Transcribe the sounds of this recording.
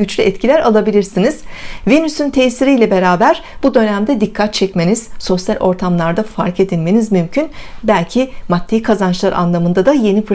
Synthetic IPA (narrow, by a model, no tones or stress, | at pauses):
yt͡ʃlʲyɛt̪cʰilʲæɾalˠabilʲiɾsiniz̥venysynt̪ʰɛːsiɾijlʲɛbe̞ɾaːbæɾb̥ud̪ø̞næmd̪ɛd̪ikʰːat̪̚t͡ʃʰɛcme̞niz̥so̞sjalʲʔo̞ɾt̪ʰamlˠaɾd̪afaɾke̞d̪inme̞nizmymcʰynbælʲcʰimat̪ʰːeikʰazant͡ʃlˠaɾʔa̰nlˠamɯnd̪ad̪aje̞nifɯ